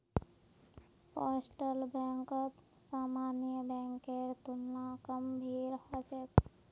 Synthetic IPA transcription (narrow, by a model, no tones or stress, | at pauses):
paːɾsʈəlbɛ̃ːŋkət̪ | saːmaːnjəbɛ̃ːŋkeɾt̪ʊnːakəmbʱiːɾhat͡ʃek